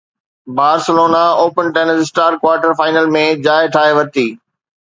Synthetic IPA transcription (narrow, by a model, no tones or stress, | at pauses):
baːɾsəloːnaoːpənʈeːnəsɪsʈaːɾkwaːɾʈəɾfaːɪnəlmẽd͡ʑaːɪʈʰaːɦeʋɐt̪iː